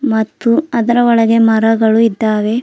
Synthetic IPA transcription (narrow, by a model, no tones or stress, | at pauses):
mɐt̪ːuɐd̪ɐɾɐɔɭɐɡe̞mɐɾɐɡɐɭuid̪ːaːʋe̞